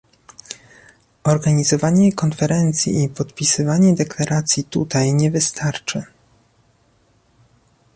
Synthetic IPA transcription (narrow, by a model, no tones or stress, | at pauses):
ɔɾɡaɲizɔvaɲɛkɔnfɛɾɛnt̪sʲjḭipɔt̪pʲisɘvaɲɛd̪ɛklaɾat̪sʲjit̪ut̪ajɲɛvɘst̪ʰaɾt͡ʂɘ